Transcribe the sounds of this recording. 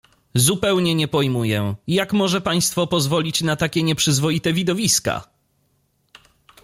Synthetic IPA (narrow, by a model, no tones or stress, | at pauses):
zupɛwɲɛɲɛpɔjmujɛjakmɔʐɛpaj̃st̪fɔpɔzvɔlʲit͡ɕnat̪akʲɛɲɛpʂɘzvɔit̪ɛvʲid̪ɔvʲiska̰